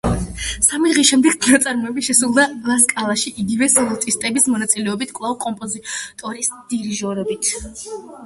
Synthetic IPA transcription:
samid̪ʁiʃɛmd̪ɛɡt̪ʰnat̪sʼaɾmɔɛbiʃɛsulˠd̪alˠaskʼalˠaʃiʔiɡivɛsɛlˠɔt̪ʼist̪ʼɛbismɔnat̪sʼilɛɔbit̪ʰkʼvlˠavkʼɔmpʼɔzit̪ʼɔɾisd̪̥iɾiʒɔɾɛbit̪ʰ

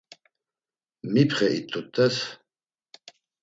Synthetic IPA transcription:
mipχɛʔit̪ʰʼːut̪ʰʼːɛs

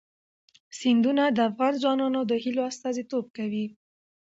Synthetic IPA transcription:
sɪnd̪unad̪əafɣɑnzɑnɑnod̪əhiloast̪ɑzit̪ob̚kawi

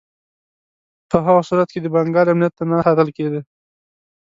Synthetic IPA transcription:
pəɦaɣasuɾat̪̚ked̪əbaŋɡɑɾamnijat̪ːanaxat̪əlked̪i

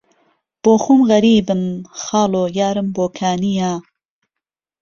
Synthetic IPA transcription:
b̥oːxumɣɐɾiːbɨmxaːloːjaːɾɨmboːkʰaːnijaː

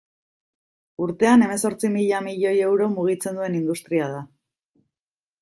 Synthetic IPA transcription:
uɾt̪e̞ane̞me̞so̞ɾt͡simiʎamiʎo̞je̞wɾo̞muɣ̞it͡se̞nd̪ue̞nind̪ust̪ɾiað̞a

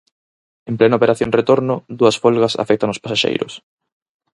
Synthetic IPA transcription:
emplɛnaopeɾaθjõŋret̪oɾnʊðuɐsfɔlɣɐsa̰fɛk̚t̪aŋospasaʃḛjɾʊ̰s

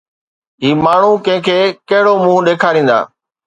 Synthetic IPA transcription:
ɦiːmaːɳ̤ũːkə̃ɦɪ̃kʰeːkɐɦɪɽoːmũːɗeːkʰaːɾĩːn̆d̪a̰ː

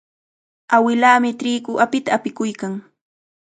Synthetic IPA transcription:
awɪlaːmɪtɾiːkʊʔapɪt̪aːpɪkʊjkaŋ

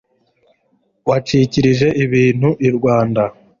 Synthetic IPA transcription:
wat͡ʃiciɾiʒe̞ʔiβiːn̥huʔiɾɡwaːnda

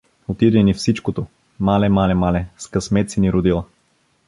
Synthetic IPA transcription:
ot̪id̪ɛnifsit͡ʃkot̪o | malɛmalɛmalɛskɐsmɛt̪siniɾod̪ilˠə

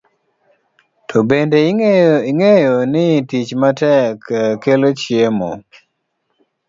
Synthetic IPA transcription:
tʰɔbendeiiŋejonɪtit͡ʃmatɛkkelot͡ʃɪemɔ̰

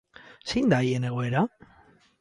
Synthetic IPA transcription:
sejnd̪aje̞ne̞ɣ̞o̞e̞ɾa

